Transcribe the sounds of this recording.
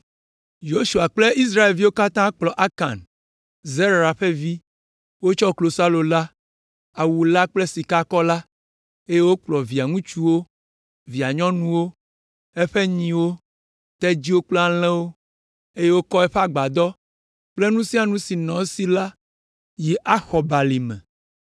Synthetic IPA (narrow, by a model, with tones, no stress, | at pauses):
jo˦ʃu˨a˨k͡ple˦ʔi˦s̬ɾa˦e˨vi˦wo˦ka˦t̪ã˦k͡plɔ˨ʔa˦ka̰˨n | ze˦ɾa˨ɸe˦vi˦ | wo˦t͡ʃɔ˦klo˨sa˦lo˨la˦ | a˨wu˨la˦k͡ple˦si˨ka˦kɔ˦la˦ | e˦je˦wo˦k͡plɔ˨vi˨a˨ŋũ˦t͡ʃu˦wo˦ | vi˨a˨ɲɔ̃˦nũ˦wo˦ | ɛ˦ɸɛ˦ɲĩ˨wo˦ | t̪ɛ˦d͡ʑi˦wo˦k͡plɔ˦a˨l̃ɛ̃˦wo˦ | e˦je˦wo˦kɔ˦ɛ˦ɸe˦a˨ɡ͡ba˨d̪ɔ˦ | k͡ple˦nũ˦si˦a˨nũ˦si˨nɔ̃˨˦si˦la˦ | ji˨ʔa˦xɔ˨ba˨li˨mɛ̰̃˨